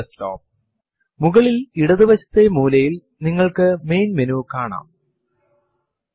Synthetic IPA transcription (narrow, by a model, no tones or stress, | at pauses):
sto̰ːp̚ | muɣɐɭiliɽɐðiʋɐɕɐ̥t̪ːemuːlɐjil | niŋːɐɭkɨme̞jnmenuːkaːɳa̰ːm